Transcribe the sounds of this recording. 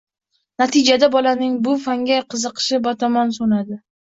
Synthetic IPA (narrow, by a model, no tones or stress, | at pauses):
nat̪ʰɪd͡ʒad̪abɒlanɪŋbʊfaŋɡʲajqʰɨzɨqʰʃɪbat̪ʰɒmansonad̪ɪ